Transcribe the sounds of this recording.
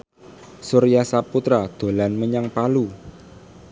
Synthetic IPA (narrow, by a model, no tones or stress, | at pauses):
suɾijasaput̪ɾad̪̥o̤lanməɲaŋpalu